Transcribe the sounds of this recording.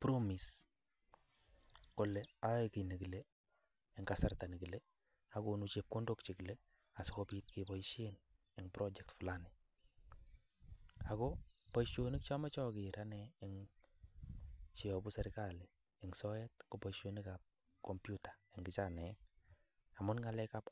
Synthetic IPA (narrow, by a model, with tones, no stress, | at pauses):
pɾo˦mi˨s | kɔ˨lɛa˦jki˨ni˨ki˨le˦ | ɪŋkasa˨rta˨ni˨ki˨le | ako˨nut͡ʃep̚ko˦ndokt͡ʃe˨kɪ˨le˦ | a˨sɪkɔpiː˦t̚kepɔiʃen | ɪŋpɾʔɔ˦d͡ʒɛk̚tfu˨lanɪ | akɔ˦pɔ˦ʃonɪ˦k̚t͡ʃɔ˦mɛ˦t͡ʃɔ˦kɪ˨ɾanɛɪŋ | t͡ʃi˨ɔ˨bu˦sɛ˦ɾkali˨ | ɪ˨ŋsɔjɛ˦t̚kopɔʃonɪka˨p̚ | kɔmpjutḁ˨ɪŋɡɪ˨t͡ʃanɛː | amʊ˦nŋa˦lɛka˦p